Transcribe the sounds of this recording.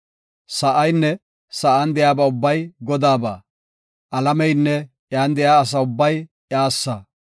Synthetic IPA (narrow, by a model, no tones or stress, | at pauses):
sɐʔɐjnːɛ | sɐʔɐnd̪ɛjaːbɐʊbːɐjɡɔd̪aːba̰ː | ʔɐlɐmɛjnːɛ | jaːnd̪ɛjaːs̬ɐʊbːɐj | aːsːɐ